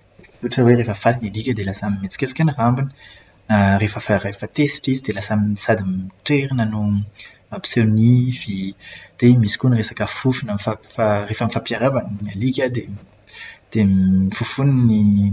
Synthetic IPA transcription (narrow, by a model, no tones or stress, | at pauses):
uʈ͡ʂəweʁefəfalinalikʲəd̪elasamimet͡si̥kesi̥kaniʁambinə | narefəfarefat̪esi̥ʈ͡ʂizid̪elasamisad̪imʈ͡ʂeɾinanu | apsenivid̪̥emisi̥kunʁesakafufunamfafarefamifapjaɾabannalikʲəd̪e | d̪̥emifufunini